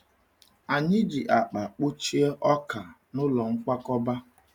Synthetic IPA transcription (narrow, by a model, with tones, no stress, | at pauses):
a˨ɲɪ˦d͡ʒi˨ʔa˨k͡pa˨k͡pu˦t͡ʃi˦e˦ʔɔ˦ka˨ | nʊ˦lɔ˨ŋ̩˦ka˦kɔ˦ba˦